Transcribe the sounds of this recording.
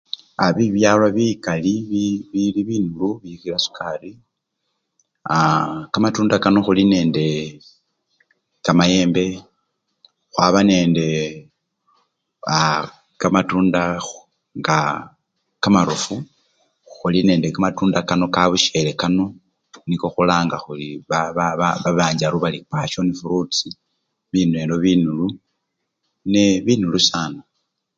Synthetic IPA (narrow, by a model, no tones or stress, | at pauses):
aβiβjalwaβikaliβiβiliβinuluβixilasu̥kʰari | akamatuːndakano̞xuline̞ːnde̞ | kamaje̞ːmbe̞ | xwaβane̞ːnde̞ | a | kamatuːnda | ŋɡa | kamaɾofu | xuline̞ːndekamatuːndakano̞kaβuʃe̞lekano̞ | niko̞xulaːŋɡaxuliβaβaβaβaβaːɲɟaɾuβalikaʃonifuɾut͡si | βiːnuelo̞βinulu | neβinulusaːna